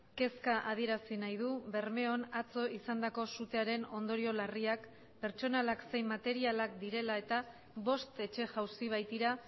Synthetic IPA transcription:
ke̞skaʔað̞ie̞ɾasinajðuβe̞ɾme̞o̞nat͡so̞isand̪ako̞sut̪e̞aɾe̞no̞nd̪o̞ɾio̞lariak | pe̞ɾt͡ʃo̞nalakse̞jmːat̪e̞ɾialakd̪iɾe̞lae̞t̪a | βo̞st̪e̞t͡ʃe̞ʝawsiβ̞ajt̪iɾa

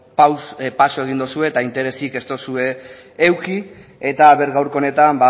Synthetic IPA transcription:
pawspaso̞e̞ɣ̞ind̪osue̞t̪aint̪e̞ɾe̞sike̞st̪o̞sue̞ː | wki | e̞t̪aβe̞ɾɣawɾko̞ne̞t̪amba

